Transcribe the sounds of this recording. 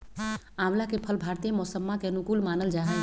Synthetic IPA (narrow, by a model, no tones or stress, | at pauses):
ãmlakepʰəlbʱaɾt̪iemɔsəmːakeənukulmaːnəld͡ʒaɦəl